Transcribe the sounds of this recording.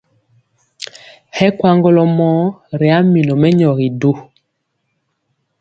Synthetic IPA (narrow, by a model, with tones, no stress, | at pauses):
hɛ˦kwa˦ŋɡɔ˦lɔ˨mɔ˨˦ɾɛ˨a˦mi˨nɔ˨mɛ˦ɲɔ˨ɣi˨do˦